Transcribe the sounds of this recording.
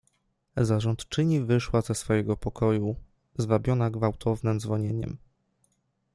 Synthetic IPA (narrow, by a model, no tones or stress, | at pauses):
zaʐɔnt̪t͡ʂɘɲivɘʂwazɛsfɔjɛɡɔpɔkɔju | zvabʲjɔnaɡvawt̪ʰɔvnɘmdzvɔɲeɲɛ̰m